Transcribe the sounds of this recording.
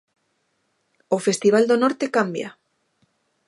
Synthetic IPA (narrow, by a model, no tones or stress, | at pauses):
ofest̪iβ̞ald̪onɔɾt̪ekambja̰